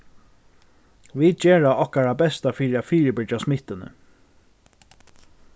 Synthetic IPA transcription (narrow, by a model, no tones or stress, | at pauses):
ʋiːd̪̚t͡ʃɛːɹaɔhkaɹabɛst̪afiːɾɪafiːɾɪbɪt͡ʃasmɪht̪ɪnə̰